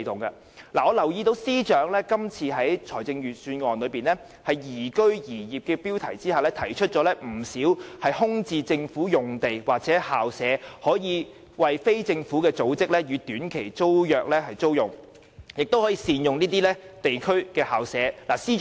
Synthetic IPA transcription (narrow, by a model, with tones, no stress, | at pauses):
t̪ʊ˨ŋɡɐ˧ | laː˨˩ɔː˨˧lɐ˨˩wjiː˧t̪o˨˥wsiː˥t͡ʃœː˨˥ŋlɛː˥kɐ˥mt͡sʰiː˧ɦɐ˨˥jt͡sʰɔː˨˩jt͡sɪ˧ŋjyː˨t̚syː˧nŋɔː˨nlɵ˨˧piː˨nlɛ˥ | hɐ˨jjiː˨˩kɵ˥ɥjiː˨˩jiː˨p̚kɛː˧piː˥wt̪ʰɐ˨˩jt͡siː˥haː˨˩lɛː˥t̪ʰɐ˨˩jt͡ʃʰɵ˥t̚t͡ʃɔː˨˥lɛ˥m̩˨˩siː˨˥whɐ˨jhʊ˥ŋt͡siː˧t͡sɪ˧ŋfuː˨˥jʊ˨ŋt̪e˨jwaː˨k̚t͡sɛː˨˥haː˨wsɛː˨˥hɔː˨˥jiː˨˧ | wɐ˨jfe˥jt͡sɪ˧ŋfuː˨˥kɛː˧t͡so˨˥wt͡sɪ˥k̚lɛː˥jyː˨˧t̪yː˨˥nkʰe˨˩jt͡so˥wjœː˨k̚lɛː˥hɐ˨jt͡so˥wjʊ˨˩ŋ | jɪ˨k̚t̪o˥whɔ˨˥jiː˧siː˨njʊ˨ŋniː˥t̪iː˥lɛ˥t̪e˨jkʰɵ˥ɥkɛː˧haː˨˩wsɛː˨˥laː˨˩siː˥